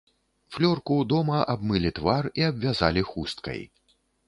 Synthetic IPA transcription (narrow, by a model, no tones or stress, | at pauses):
flʲɔrkud̪ɔmɐʔabmɨlʲit̪variabvʲaza̰lʲixust̪̚kɐ̰j